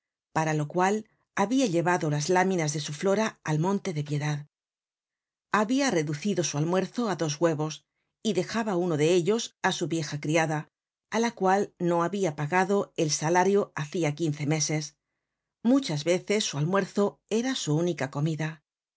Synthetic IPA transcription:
paɾalo̞kwal | aβiaʎe̞βaðo̞lazlamĩnazðe̞suflo̞ɾaalmõ̞nt̪e̞ðe̞pje̞ðað | aβiare̞ðuθiðo̞sualmwe̞ɾθo̞aðo̞zɣwe̞βo̞s | iðe̞xaβauno̞ðe̞eʎo̞sasuβje̞xakɾiaðaː | lakwalno̞aβiapaɣaðo̞e̞lsalaɾjoaθiakinθe̞me̞se̞s | mut͡ʃazβe̞θe̞sːualmwe̞ɾθo̞e̞ɾasuunikako̞miða

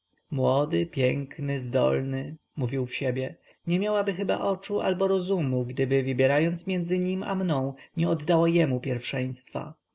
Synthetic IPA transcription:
mwɔd̪ɘpʲjɛŋknɘzd̪ɔ̰lnɘ | muvʲiwfɕɛbʲjɛ | ɲɛmʲjawabɘxɘba̰ʔɔt͡ʂuʔa̰lbɔɾɔzumuɡd̪ɘbɘvɘbʲjɛɾajɔnt̪smʲjɛnd̪zɘɲima̰mnɔ̃w̃ɲɛɔd̪ːawajɛmupʲjɛɾfʂɛj̃st̪fa̰

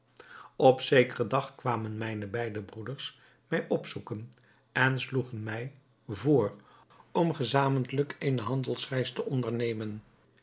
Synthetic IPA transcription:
ɔpsejkərədɑχkʋaːmənmɛjnəbɛjdəbrudəɹs | mɛjʔɔpsukən | ʔɛnsluχənmɛj | voːr | ɔmχəzaːmənləkejnəɦɑndəlˠsrɛjstəʔɔndəɹnejmən

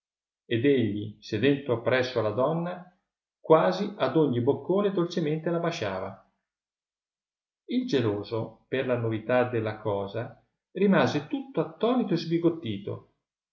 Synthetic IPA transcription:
ed̪eʎːised̪ɛnt̪oapːɾɛsːoalːad̪ɔnːa | kwaːziad̪oɲːibokːoːned̪olt͡ʃement̪elabat͡ʃaːva̰ | ild͡ʒeloːzoperlanovit̪ad̪elːakʰɔːza | rimaːzet̪ut̪ːoat̪ːɔːnit̪oezbiɡot̪ːiːt̪o̰

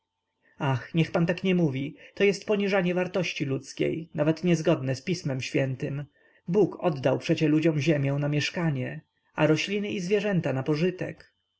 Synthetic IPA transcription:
axɲɛxpant̪akɲɛmuvʲit̪ɔjɛst̪̚pɔɲiʐaɲɛvaɾt̪ɔɕt͡ɕilut̪skʲḛjnavɛt̪ɲɛzɡɔd̪nɛspʲismɛmɕfʲjɛnt̪ɘm | bukɔd̪ːawpʂɛt͡ɕɛlud͡ʑɔ̃mʑɛmʲjɛw̃namʲjɛʂkaɲɛ | ʔaɾɔɕlʲinɘʔizvʲjɛʐɛnt̪anapɔʐɘt̪ɛ̰k

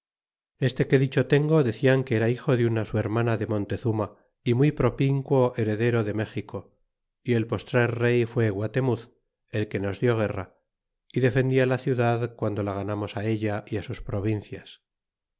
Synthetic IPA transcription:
e̞st̪e̞ke̞ðit͡ʃo̞t̪e̞ŋɡo̞ðe̞θiaŋkeeɾaixo̞ðeunasue̞ɾmãnaðe̞mõ̞nt̪e̞θuma | imujpɾo̞piŋkwo̞ʔe̞ɾe̞ðe̞ɾo̞ðe̞me̞xiko̞ | ie̞lpo̞st̪ɾalre̞jfwe̞ɣwat̪e̞muθ | e̞lke̞no̞zðjo̞ɣ̞e̞ra̰ | iðe̞fe̞nd̪ialaθjuðaðkwand̪o̞laɣ̞anamo̞sae̞ʎaʔiasuspɾo̞β̞inθjas

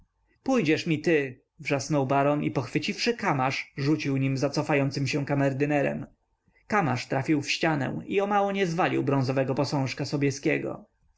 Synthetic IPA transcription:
pujd͡ʑɛʂmʲit̪ɘ | vʐasnɔwbaɾɔnipɔxfɘt͡ɕifʂɘkamaʂʐut͡ɕiwɲimzat̪sɔfajɔnt̪sɘmɕɛ̃kamɛɾd̪ɘnɛɾɛ̰m | kama̰ʂt̪ɾafʲiwfɕt͡ɕanɛ̰̃iɔmawɔɲɛzvalʲḭwbɾɔ̃w̃zɔvɛɡɔpɔsɔ̃w̃ʂkasɔbʲjɛskʲɛɡɔ̰

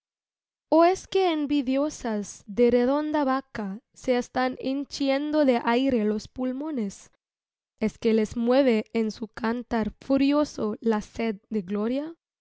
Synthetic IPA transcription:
oeskeːmbiðjo̞sazðereðo̞nd̪aβaka | seest̪anint͡ʃjend̪o̞ðeʔajɾelo̞spulmo̞nes | eskelezmwe̞β̞eːnsukant̪aɾfuɾjo̞solased̪̚d̪eɣlo̞ɾja

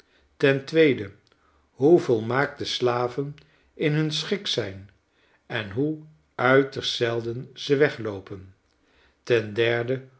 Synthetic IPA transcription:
tɛntʋejdə | ɦuvolˠmaːk̚təslaːvən | ɪnɦɵnsχɪksɛjn | ɛnɦu | œɥtəɹsɛlˠdənz̥əʋɛχlowpən | tɛndɛɹdə

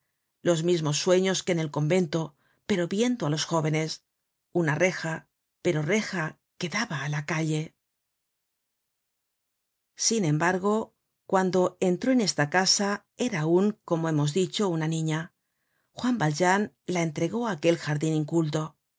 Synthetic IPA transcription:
lo̞zmizmo̞sːwe̞ɲo̞ske̞ne̞lko̞mbe̞nt̪o̞ | pe̞ɾo̞βje̞nd̪oalo̞sxo̞βe̞ne̞s | unare̞xa | pe̞ɾo̞re̞xa | ke̞ðaβaːlakaʎe̞ | sinẽ̞mbaɾɣ̞o̞ | kwand̪o̞e̞nt̪ɾo̞ene̞st̪akasa | e̞ɾaːuŋko̞moe̞mo̞zðit͡ʃo̞unanĩɲa | xwambalʒan | lae̞nt̪ɾe̞ɣo̞aːke̞lxaɾðiniŋkult̪̬o̞

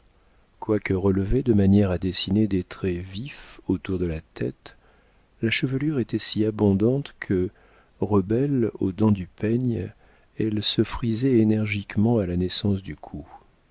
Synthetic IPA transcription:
kwakəʁəlved̪əmanjɛʁad̪esined̪et̪χɛvifot̪uʁd̪əlat̪ɛt̪ | laʃəvəlyʁet̪ɛsiabɔ̃d̪ɑ̃t̪kʰə | ʁəbɛlo̰d̪ɑ̃d̪ypɛɲ | ɛlsəfχizɛenɛʁʒikmɑ̃alanɛsɑ̃sd̪ykʰu

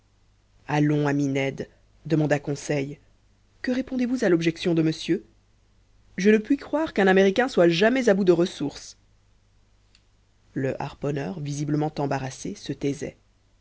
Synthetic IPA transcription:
alɔ̃aminɛd̪ | d̪əmɑ̃d̪akɔ̃sɛj | kəʁepɔ̃d̪evuzalɔbʒɛksjɔ̃d̪əməsjø | ʒənəpɥikχwaːʁkɛ̃nameʁikʲɛ̃swaʒamɛzabud̪əʁəsuʁs | ləʔa̰ʁpɔnœʁvizibləmɑ̃t̪ɑ̃baʁasesət̪ɛzɛ̰

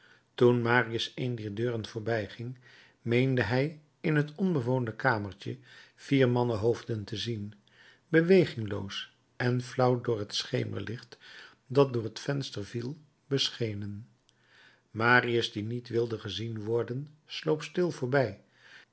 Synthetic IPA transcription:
tunmaːriəsejndiːɹdøːrənv̥ʊːɹbɛjχɪŋ | mejndəɦɛj | ɪnɦətɔnbəʋowndəkaːməɹcəv̥iːɹmɑnəɦowvdəntəzin | bəʋejχɪŋlo̰ws | ʔɛnflʌwdʊːɹɦətsχejmʔə̰ɹlʔɪχt | dɑt̚dʊːɹətfɛnstəɹvilˠ | bəsχejnən | maːriəsdinitʋɪlˠdəχəzinʋɔɹdənslowpstɪlˠvʊːɹbɛj

